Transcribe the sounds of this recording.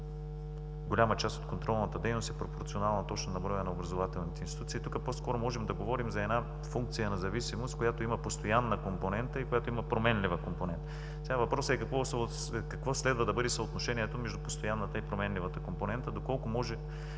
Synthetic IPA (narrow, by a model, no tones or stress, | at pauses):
ɡolʲamət͡ʃast̪o̥t̪kont̪ɾɔlˠnət̪əd̪ɛjnost̪ɛpɾopoɾt̪sionalˠnɐt̪ɔt͡ʃnɐnɐbɾɔjɐnɐobɾɐzovat̪ɛlˠnit̪ɛinst̪it̪ut̪sit̪ukəposkɔɾomɔʒɛmd̪ɐɡovɔɾimzɐɛd̪na | fuŋk̚t̪sijənɐzɐvisimost̪kojat̪oimɐpost̪ojanːəkomponɛnt̪əikojat̪oimɐpɾomɛnlivəkomponɛnt̪ə | sɛɡavɐpɾɔsɛkɐkvos | kɐkvoslɛd̪vəd̪ɐbɤd̪ɛsɐot̪noʃɛniɛt̪omɛʒd̪upost̪ojanːət̪əipɾomɛnlivət̪əkomponɛnt̪əd̪okɔlˠkomɔʒɛ